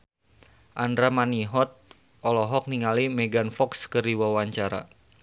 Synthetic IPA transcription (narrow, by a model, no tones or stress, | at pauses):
ʔandɾamaniɦɔt̪̚ | ɔlɔɦɔk̚niŋalimɛɡanfɔkskəɾiwawaɲt͡ʃaɾa̰